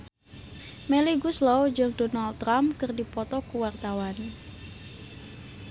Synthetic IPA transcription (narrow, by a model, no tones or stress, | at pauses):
meliɡuslɔwd͡ʒɔŋdɔnald̪ɾamkərdipɔt̪ɔkuwart̪awan